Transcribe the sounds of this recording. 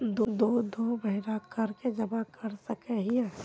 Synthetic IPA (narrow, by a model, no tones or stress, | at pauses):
d̪od̪oːd̪obɐɦɪɾakɐɾked͡ʒɐbakɐɾsɐkeɦiɛ